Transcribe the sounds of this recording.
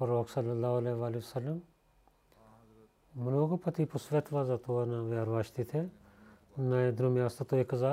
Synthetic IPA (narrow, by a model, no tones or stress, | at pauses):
pɾoːksɐlːɐlːaːɦɐleːʋaːliɐsɐlːəm | mʊnoːɡpɐt̪ipʊsʋeːt̪ʰʋaːzat̪oːɐnãʋjaːɾʋaːʃt̪it̪ʰe | naed̪ɾomjaːst̪ɐt̪oekɐzaː